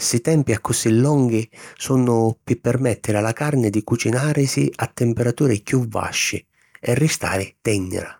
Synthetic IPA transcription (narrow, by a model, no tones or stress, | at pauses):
sit̪ɛmpiakːʊsilːɔŋɡɪsunʊpɪpːɛrmɛt̪ːɪɾalakarnɪd̪ikut͡ʃinaːɾɪsiʔat̪ːɪmpeɾat̪uːɾɪkjuvːa̰ʃːɪ̰ | ɛrːɪst̪a̰ːɾɪt̪ɛnːɪ̰ɾa